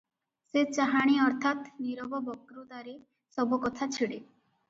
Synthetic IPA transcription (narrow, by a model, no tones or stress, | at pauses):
set͡ʃaɦaɽ̃iɔɾt̪ʰat̪niɾɔbɔbɔkɾud̪aɾe | sɔbukɔt̪ʰat͡ʃʰiɽe